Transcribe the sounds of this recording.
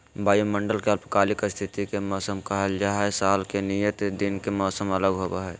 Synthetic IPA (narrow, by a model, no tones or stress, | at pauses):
bʱaːjomə̃ɳɖəlkeɐlpəkaːlɪkst̪ʰɪt̪ikemɔːsəmkəɦəld͡ʒaːɦɛsaːlkenijət̪d̪inkemɔːsəmələɡɦoːbaɦɛ